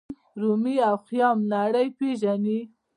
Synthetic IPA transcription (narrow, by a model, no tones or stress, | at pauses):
ɾumiawxjɑmnaɽəjpeʒani